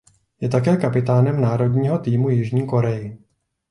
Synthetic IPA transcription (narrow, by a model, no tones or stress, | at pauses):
jɛt̪akɛːkapɪt̪aːnɛmnaːɾo̞dɲiːɦo̞t̪iːmujɪʒɲiːko̞ɾɛjɪ